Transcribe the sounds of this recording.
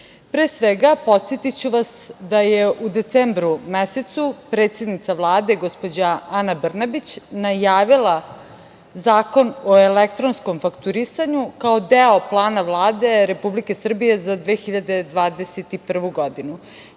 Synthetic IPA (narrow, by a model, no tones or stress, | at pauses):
pɾeːsʋeɡapo̞t̪set̪it͡ɕuʋasd̪ajeʔud̪e̞t̪seːmbɾumeset̪supɾet̪sjed̪nit̪saʋlˠaːd̪e̞ɡospo̞d͡ʑaanabr̩nabit͡ɕnajaːʋila | zaːko̞noelekt̪ɾo̞nsko̞mfakt̪uɾisaɲukaod̪eoplˠaːnaʋlˠaːd̪e̞ɾe̞publike̞sr̩bije̞zad̪ʋeːxiʎad̪e̞d̪ʋaːd̪eset̪ipr̩ʋuɡo̞d̪inu